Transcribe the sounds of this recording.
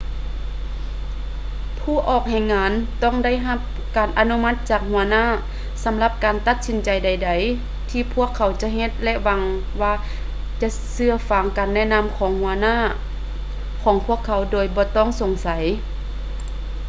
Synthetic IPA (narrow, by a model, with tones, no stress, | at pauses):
pʰuː˧˩ʔɔː˨˩k̚hɛ˧˩jŋaː˧˥nt̪ɔː˥˩˨ŋda˥˩˨jɦa˧˥p̚ | kaː˨˩nʔa˧nu˧˥ma˧˥t̪̚t͡ɕaː˨˩k̚hu˨˩˦ɐnaː˥˨ | sa˨˦mla˧p̚kaː˨˩nt̪a˧t̪̚si˨˦nt͡ɕa˨˩jda˨jda˨˩j | t̪ʰiː˧pʰu˥˩əkʰːa˨˩˦wt͡ɕa˧˦ɦe˧t̪̚lɛ˧˥ʔwa˧ŋ | waː˧ | t͡ɕa˧ʔ | sɯ˧ɐfa˨˧˩ŋka˨nːɛː˧˥˨na˧˥˨mkʰɔː˨˦ŋhu˨˩˦ɐnaː˧˥˨ | kʰɔː˨˦ŋpʰu˧˥˩əkʰːa˨˧˦wdoː˨˩jbɔː˧˦t̪ɔː˥˩ŋso˨˩ŋsa˨˦j